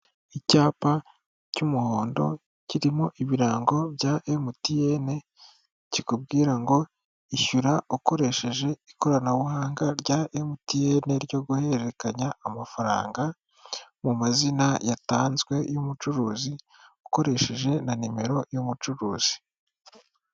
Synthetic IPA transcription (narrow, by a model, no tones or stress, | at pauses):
icaːpa | cumuho̞ːndo̞̰ | ciɾimoʔiβiɾaːŋɡo̞bjaʔemutijene̞ | cikubɡiːɾaŋɡo̞ | içuɾaoko̞ɾe̞ʃe̞ʒe̞iko̞ɾanaβuhaːŋɡaɾɟaʔemutijene̞ɾɟo̞ɡuhe̞ɾeekaɲaːmafaɾa̰ːŋɡa | mumazinajataːnzɡwe̞jomut͡ʃuɾuːzi | oko̞ɾe̞ʃe̞ʒe̞nanime̞ɾo̞jomut͡ʃuɾuːz̥i̥